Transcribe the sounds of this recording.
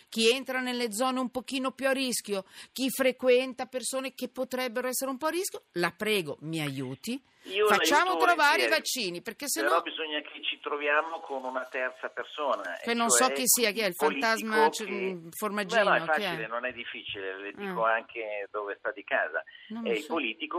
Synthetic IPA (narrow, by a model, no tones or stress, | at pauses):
k̟ient̪ɾanelːed̪zɔːneumpokiːnopjuarisk̟jok̟ifɾekwɛnt̪apersoːnekepːot̪ɾɛbːeɾoɛsːeɾeumpɔarːiskjolapɾɛːɡomiajuːt̪i | iofat͡ʃːaːmot̪ɾovaːɾeivat͡ʃːiːniperkesːenɾɔbizoɲːakʰet͡ʃit̪ɾovjaːmokʰonunat̪ɛrt̪sapersoːna̰kenːonsɔkːisːiːak̟iɛilfant̪azmat͡ʃɛformad͡ʒinːnɛofakːt͡ʃɛilenonɛd̪ːifːiːt͡ʃileled̪ikoaŋkʰed̪oːvest̪ad̪ika̰ːza̰nomɛilpoliːt̪iko